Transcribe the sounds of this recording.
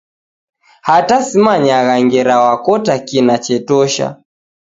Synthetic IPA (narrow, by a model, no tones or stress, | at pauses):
hatasimaɲaɣaŋɡɛɾawakɔtakinat͡ʃɛtɔʃa̰